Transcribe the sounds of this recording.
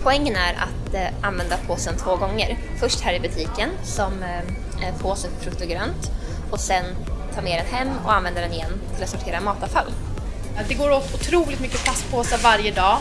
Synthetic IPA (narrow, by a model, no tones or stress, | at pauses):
pʰɔɛŋːənæɾa̰t̪anvɛnd̪apʰoːsənt̪ʰvoːɡɔŋːəɾfœʂʈhæːɾɪbɵt̪ʰiːkənsɔm | pʰoːsənfʰɾɵkt̪ʊɡɾœnt̪ | ɔsɛn | t̪ʰɑːmeːɾɛnhɛmːɔ̰anvɛnd̪ad̪ɛnɪjɛnːt̪ʰɪlat̪sɔʈʰeːɾamɑːt̪afalː | d̪ɛɡoːɾoːt̪ʊt̪ʰɾuːlɪt̪mʏkːəpʰlaspʰoːsavaɾjəd̪ɑː